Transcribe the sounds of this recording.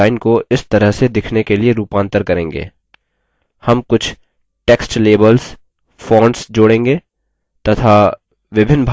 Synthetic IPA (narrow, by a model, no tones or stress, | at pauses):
ɪnkoɪst̪ɐɾəɦsed̪ɪkʰnekelieɾuːpãːnt̪əɾkɐɾẽːŋɡḛː | hɐmkʊt͡ʃʰ | ʈeːksʈleːbəls | fõːɳɖsd͡ʒoːɽẽːŋɡeː | t̪ɐt̪ʰa | ʋɪbʱɪnːbʱ